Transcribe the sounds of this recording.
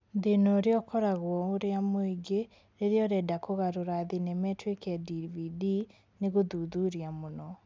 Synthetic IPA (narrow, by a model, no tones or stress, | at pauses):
ðenɔɾeɔkɔɾaɣwɔoɾeamoeɡe | ɾeɾeɔɾɛdakoɣaɾoɾaðinɛmɛtwekɛdividi | neɣoðuðuɾiamonɔ